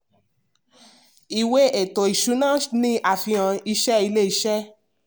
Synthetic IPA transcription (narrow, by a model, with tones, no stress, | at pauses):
i˨we˦e˨to˨i˨ʃu˨˦nãː˦˨nĩ˧ʔa˨fĩ˧ã˧i˧ʃɛ˦i˧le˦i˧ʃɛ˦